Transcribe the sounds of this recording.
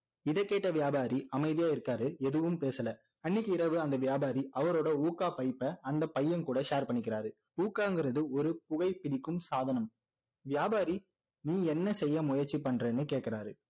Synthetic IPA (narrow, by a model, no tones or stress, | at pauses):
ɪðɛkːeːʈːɐʋɪjaːbaːɾiʔɐmɐɪðɪjaːɪɾɯkːaːɾɯɛðɯʋɯmpeːsɐlɐ | ɐnːɪkːɯɪɾɐʋɯɐnd̪ɐʋjaːbaːɾiʔɐʋɐɾoːɽɐuːkaːpɐɪpːɐɐnd̪ɐpɐjːɐnkuːɽɐʃaːɾpɐɳːɪkːɪɾaːɾɯ | uːkːaːŋɡɪɾɐðɯɔɾɯpʊɣɐɪpːɪɽɪkːɯmsaːðɐnɐm | ʋjaːbaːɾi | niːɛnːɐsɛjːɐmʊjɐɾt͡ʃːipɐɳːreːnːɯkeːʈkɪɾaːɾɯ